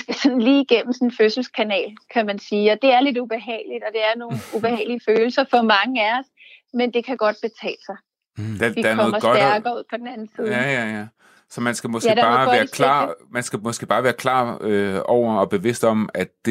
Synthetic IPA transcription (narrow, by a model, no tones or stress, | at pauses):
isɡ̥æsɒ̽nn̩liːiɡ̥en̰m̩sɔ̽n̩føsl̩skʰænɛ̰ːlkʰæmænsiːɒ̽d̥e̝æɐle̝d̥ub̥e̝ɦɛ̰ːɪlid̥ɒ̽d̥e̝æɐno̝ːn̩ub̥e̝hɛ̰ːliəføːl̩sɐfɒ̽mɑ̈ŋəæɒs | mend̥e̝kʰæɡ̥ɒ̽d̥̚b̥e̝t͡sʰɛ̰ːlsɑ̈ɪ | d̥æʋikdɑæɐnʰɒɔːðmɐsˠɡɒdɐɡ̥ɐuð̰ˠpʰɒd̥enæn̩siːæjæjæ | sɒ̽mænsɡ̥æmɒ̽sæ̥æb̥ɑ̈ːæːɐkʰlɑ̰̈ːmænsɡ̥æmɒ̽sɡ̥e̝b̥ɑ̈ːʋæːɐkʰlɑ̰̈ːøɒʊ̰ɐɒ̽b̥e̝ʋe̝sd̥ɒ̽mæd̥d̥e̝